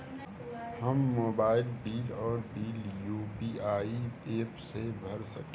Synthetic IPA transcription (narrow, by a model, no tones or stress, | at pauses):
həmːoːbaːɪlbiːlɔːɾbiːljuːbiaːieːpsebʱəɾsə̰k